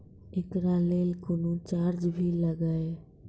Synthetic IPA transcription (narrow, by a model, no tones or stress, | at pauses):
ɪkɾaleːlkʊnũt͡ʃaːɾd͡ʒbʱiləɡaːe